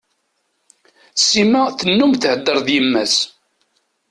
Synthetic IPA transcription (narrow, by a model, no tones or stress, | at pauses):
sːimæθənːʊmθhəd̪ːəɾˤðjəmːæs